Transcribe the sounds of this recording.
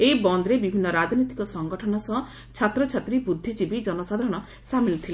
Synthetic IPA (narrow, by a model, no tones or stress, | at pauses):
eibɔnd̪ɾebibʱinːɔɾad͡ʒnit̪i̥kɔsɔŋɡɔʈʰɔnɔsɔɦɔ | t͡ʃʰat̪ɾɔt͡ʃʰat̪ɾibud̪ʱːid͡ʒibid͡ʒɔnɔsad̪ʱaɾɔɽ̃ɔ | samilt̪ʰile